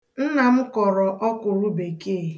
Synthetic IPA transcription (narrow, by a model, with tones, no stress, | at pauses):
n̩˦na˨m̩˦kɔ˨ɾɔ˨ʔɔ˦kʊ˨ɾu˦be˨ke˦˨